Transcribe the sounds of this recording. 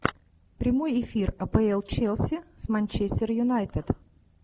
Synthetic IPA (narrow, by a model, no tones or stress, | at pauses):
pɾʲɪmojɪfʲirɐpɛɛlˠt͡ɕelˠsʲɪsmɐnʲt͡ɕesʲt̪ʲɪrjʊnajt̪ɨt̪